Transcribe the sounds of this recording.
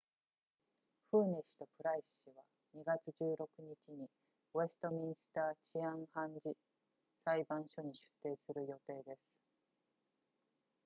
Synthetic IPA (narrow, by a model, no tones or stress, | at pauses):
ɸɯ̟ːne̞ɕi̥t̪o̞pɯ̟ɾaiɕiβa | ɲ̟iɡat͡sɨʑɨːɾo̞kɯ̟ɲ̟it͡ɕiɲi | oe̞sɨ̥t̪o̞mʲĩɰ̃sɨ̥t̪aːt͡ɕiãɰ̃hãɲd͡ʑi | saibãɰ̃ɕo̞ɲ̟iɕɨ̥t̪ːe̞ːsɨɾɯ̟jo̞t̪e̞ːd̪e̞sɨ̥